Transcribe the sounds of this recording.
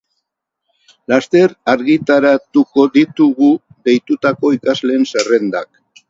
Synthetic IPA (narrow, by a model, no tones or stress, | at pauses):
last̪e̞ɾaɾɣit̪aɾat̪uko̞ðit̪uɣu | ðe̞jt̪ut̪ako̞ikazle̞ːnsere̞nd̪ak